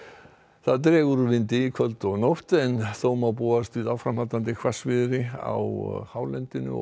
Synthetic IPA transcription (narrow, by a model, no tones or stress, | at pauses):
θaðt̪ɾɛːɣʏɾʏvɪnt̪ɪikʰvœlt̪ɔɣnowht̪ɛnθowmawpuːast̪viðawfɾamhalt̪ant̪ɪkʰvasvɪðɾɪa̰whaːwlɛnt̪ɪnʏ̰